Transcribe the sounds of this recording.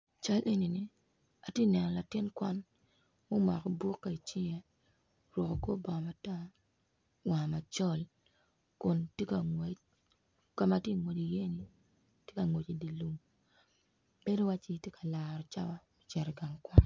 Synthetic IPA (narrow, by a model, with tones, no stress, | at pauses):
t͡ʃa˦lʔe˦ni˨ni˨ | a˨tje˦˨nɛ˨nɔ˨la˨tɪ˦nkwa˦n | mo˦ma˨kɔ˨bwo˦kːa˨i˨t͡ʃɪ˦jɛ˦ | ɾwɔ˨ko˨ko˦bɔ˨ma˨ta˦ | wa˨ma˨t͡ʃɔ˦l | kʊ˨nte˦ka˨ŋwe˦ | ka˦ma˨˦tje˦˨ŋwo˨di˨je˦ni˨ | tje˦ka˨ŋo˨t͡ʃi˨di˨lu˨m | b̥e˦do˦wa˦t͡ʃi˦tje˦kʰa˨laː˨ɾɔ˨t͡ʃa̰˦wa˦mo˦t͡ʃɛ˨ɾɛ˨ɡa˨ŋkwa˦n